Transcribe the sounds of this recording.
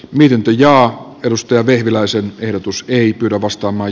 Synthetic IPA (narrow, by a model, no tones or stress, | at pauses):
miet̪int̪øjɑː | edust̪ɑjɑʋehʋilæisenehɾot̪useipyːɾæʋɑst̪ɑːmɑː